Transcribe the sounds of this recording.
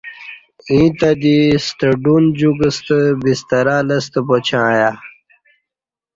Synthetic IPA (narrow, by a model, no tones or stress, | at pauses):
ĩːt̪ad̪isʈ̪əɖund͡ʑuɡəst̪əbist̪ɐɾaːləs̬t̪əpot͡ɕʰãːja